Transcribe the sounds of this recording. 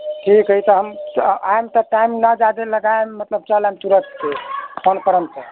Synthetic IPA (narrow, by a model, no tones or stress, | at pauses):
ʈʰikɦət̪ɔɦəmajmt̪ɔʈajmnəd͡ʒad̪eləɡaemət̪ləb̚t͡ʃalamt̪uɾət̪keɔnpəɾəmsə